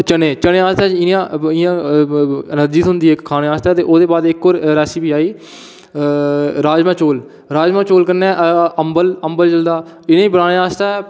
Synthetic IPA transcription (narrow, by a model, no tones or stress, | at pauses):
t͡ʃənẽːt͡ʃəɽẽːaːst̪ɛːɪãːɪjãː | nəd͡ʒiːt̪ɦʊnd̪iːɛkʰːaːneːaːst̪aːt̪eːʔoːd̪eːbaːd̪ɪkːoːɾɾɛːsiːbiːaːiː | ɾaːd͡ʒmãːt͡ʃoːl | ɾaːd͡ʒmãːt͡ʃoːlkəɾnɛːʔəmbələmbəld͡ʒəld̪aː | ɪnẽːiːbəɾaːnẽːaːst̪aː